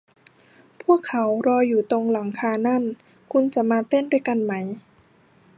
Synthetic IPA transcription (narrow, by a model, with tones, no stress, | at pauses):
pʰu˥˩əkʰːa˩˦wɾɔː˧jːuː˨˩t̪o˧ŋla˩˦ŋkʰaː˧na˥˩n | kʰu˧nt͡ɕa˨˩maː˧t̪e˥˩˨ndu˥˩˨jka˧nma˦˥j